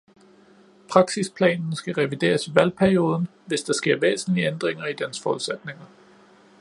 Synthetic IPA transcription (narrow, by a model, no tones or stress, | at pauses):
pʰʁɑ̈ɡ̥sispʰlɛ̰ːnn̩sɡ̥æʁɛʋid̥e̝̰ːɐsiʋælpʰæɐio̝ːð̞ˠn̩ | ʋe̝sd̥ɑ̈sɡ̥e̝ɐ̰ʋḛːsn̩liəend̥ʁeŋɐid̥ænsfɒːuð̩ˠsed̥ne̝ŋɐ